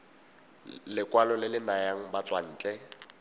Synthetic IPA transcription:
lɪkʼwalɔlɪlɪnajaŋ̩bat͡sʼwan̩ːt͡ɬʼɛ

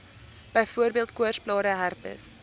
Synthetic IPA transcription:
b̥əjfuərbiəlˠtkuərsplɑːɾəɦærpə̰s

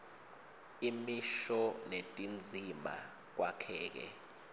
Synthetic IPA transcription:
imiʃɔnetʼind͡zʱima̰ | k̬wakʰɛːk̬ɛ̰

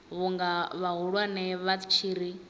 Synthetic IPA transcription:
βuŋɡaβaɦuɺwanɛβḁt͡ʃʰiɾi

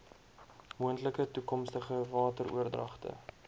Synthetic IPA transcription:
muəntləkətukɔmstəχəvɑːtərṵərdrɐχtə̰

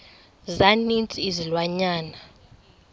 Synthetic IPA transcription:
zanint͡sʼiːzilwaɲaːna

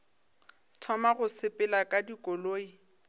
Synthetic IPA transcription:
tʰɔmaɣʊsɪpʼɪlakʼadikʼɔloːi

